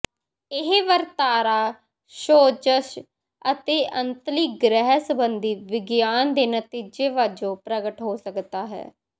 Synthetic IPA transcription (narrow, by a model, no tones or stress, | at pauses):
ɪɦʋəɾt̪aːɾaː | ʃoːd͡ʒəʃ | ət̪eːʔənt̪liːɡɾɛɦsbənd̪iːʋɪɡjaːnd̪eːnət̪iːd͡ʒeːʋaːd͡ʒõːpɾəɡəʈɦoːsəkd̪aːɦɛ̰ː